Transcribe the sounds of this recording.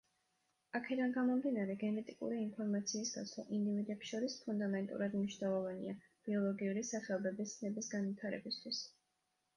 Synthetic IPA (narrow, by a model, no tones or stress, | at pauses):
akʰɛd̪anɡamɔmd̪inaɾɛɡɛnɛt̪ʼikʼṵɾiːnpʰɔɾmat̪sʰiːsɡa̰t̪sʰvˠa̰ʔind̪ivid̪ɛpsʃɔɾispʰund̪amɛnt̪ʼṵɾad̪mniʃwnɛlˠɔvanḭa | b̥iɔlˠɔɡiuɾisaχɛlˠɔbɛbist̪sʰnɛbisɡanvit̪ʰaɾɛ̰bist̪ʰwis